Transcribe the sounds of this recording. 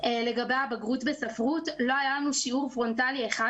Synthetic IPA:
ele̞ɡabe̞jabaɡʁutbesafʁutlo̞ɦajalanuʃiuʁfʁo̞ntalieχa

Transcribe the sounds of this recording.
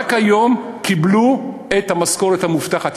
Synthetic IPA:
kajo̞m | kibluet̪hamasko̞ʁet̪hamuft̪aχat̪

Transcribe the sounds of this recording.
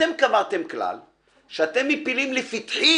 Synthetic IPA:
emkamaʁt̪emkla̰l | ʃeat̪emːipilimlefit̪ħi

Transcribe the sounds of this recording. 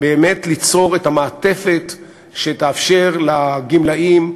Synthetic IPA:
beːme̞t̪lit͡so̞ʁethamaːt̪e̞fe̞t̪ | ʃet̪aːfʃeʁlaɡimlaim

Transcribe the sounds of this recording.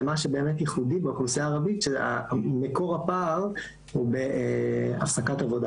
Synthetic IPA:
maʃebe̞ːmet̪jeχudibakusiaːʁavit̪ʃea̰meko̞ʁapal | hubeʔafsakat̪avo̞da

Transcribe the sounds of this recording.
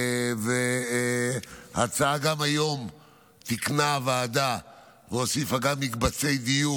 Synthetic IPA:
ve | ha̰t͡saaɡamajo̞m | t̪iknavead̪a | veosifaɡavmikbat͡se̞jd̪iju

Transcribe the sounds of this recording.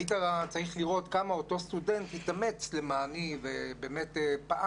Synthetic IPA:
itaʁat͡saʁiχliʁo̞t̪kamao̞to̞st̪ude̞nthit̪ame̞t͡slemaːnivebeːmetepa

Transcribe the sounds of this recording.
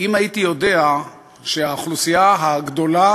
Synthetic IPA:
imajitijo̞dea | ʃeaːχlusijaɦaɡd̪o̞la

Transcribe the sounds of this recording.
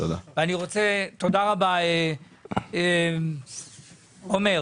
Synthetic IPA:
t̪od̪aveaniʁo̞t͡set̪o̞d̪aʁabae | e | ome̞ʁ

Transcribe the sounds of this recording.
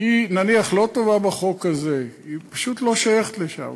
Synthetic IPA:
inaniaχlo̞t̪o̞vabaχo̞kaze̞ipaʃut̪lo̞ʃajeχet̪leʃa̰m

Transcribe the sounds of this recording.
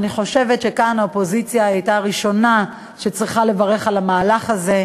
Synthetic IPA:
niχo̞ʃe̞vetʃe̞kanaopo̞zit͡sjaajtaʁiʃo̞na | ʃet͡sʁiχale̞vaʁe̞χalamaːlaχaze̞

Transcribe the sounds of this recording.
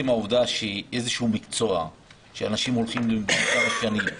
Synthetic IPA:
imaovd̪aʃeʔe̞zeʃeumikt͡so̞a̰ | ʃeanaʃimo̞lχimlekamaʃanim

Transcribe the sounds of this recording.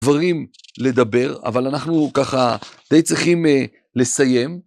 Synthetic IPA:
vaʁimle̞d̪abe̞ʁa̰valanaχnukaχad̪̥ejt͡sʁiχim | le̞saje̞m

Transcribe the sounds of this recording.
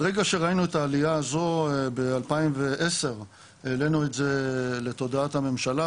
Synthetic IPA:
ʁeɡaʃe̞ʁainuet̪aːlijaːzo̞bealpaimveʔese̞ʁ | ele̞nue̞tze̞le̞t̪o̞d̪aat̪hame̞mʃala

